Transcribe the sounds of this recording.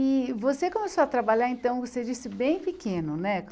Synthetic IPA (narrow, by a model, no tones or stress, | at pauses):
ɪvosekõmesoɐt̪ɾabaʎaẽnt̪ɐ̃w̃ʊkosed͡ʒisɪbẽj̃pɪkẽnʊnɛ